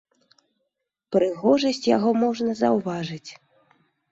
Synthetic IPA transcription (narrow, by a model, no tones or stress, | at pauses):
pɾɨɣɔʐɐsʲt͡sʲjaɣɔmɔʐnɐzɐwvaʐɨt͡sʲ